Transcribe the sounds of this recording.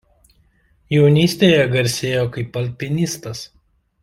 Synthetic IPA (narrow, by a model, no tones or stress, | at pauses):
jɛʊnʲiːsʲt̪ʲeːjɛɡɐɾʲsʲeːjoːkɐɪpːɐlʲpʲɪnʲɪst̪ɐs